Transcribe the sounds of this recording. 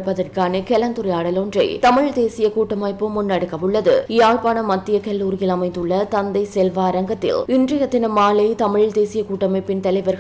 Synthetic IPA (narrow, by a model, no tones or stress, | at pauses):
pːɐðɐrkaːnɯkɛlɐnd̪ɯɾɐjaːɽɐlondrɐɪt̪ɐmɪɻd̪eːsɪjɐkuːʈːɐmɐɪpːɯmʊnːɐɽɯkːɐʋɯɭːɐðɯ̰jaːɭpaːnɐmɐt̪ːɪjɐkɐlːuːɾɪjɪlɐmɐɪnd̪ɯɭːɐt̪ɐnd̪ɐɪsɛlʋaːɾɐŋɡɐt̪ːɪ̰lɪndrɐjɐt̪ːɪnɯmaːlɐɪt̪ɐmɪɻd̪eːsɪjɐkuːʈːɐmɐɪpːɪnt̪ɐlɐɪʋɐɾɣ